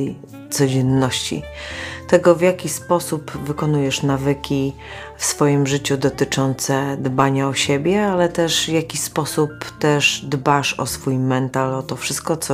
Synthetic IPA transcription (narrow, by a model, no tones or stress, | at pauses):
t̪sɔd͡ʑɛnːɔɕt͡ɕḭt̪ɛɡɔvjakʲispɔsupvɘkɔnujɛʂnavɘkʲi | fsfɔjimʐɘt͡ɕud̪ɔt̪ɘt͡ʂɔnt̪sɛd̪baɲaɔɕebʲjɛalɛt̪ɛʂvjakʲispɔsupt̪ɛʐd̪baʂɔ̰sfujmɛnt̪alɔt̪ɔfʂɘ̥st̪̚kɔt̪s